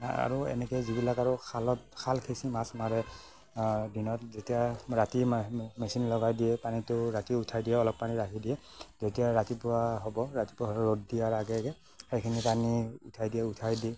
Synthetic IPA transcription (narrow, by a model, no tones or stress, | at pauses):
a̰a̰ɹuɛ̰nɛkɛzibilakaɹʊkʰalɔt̚kʰalkʰesimasmaɹɛ | dinɔt̚zetijaɹatimɛsinlɔɡajdijɛpanitʊɹatiʊtʰajdijɛɔlɔk̚paniɹatidijɛ | zetijaɹatipʊaɦɔbɔɹati̥pʊaɦɹoddijaɹaɡɛɡɛ | xejkʰinipaniutʰajdijɛʊtʰajdiɛ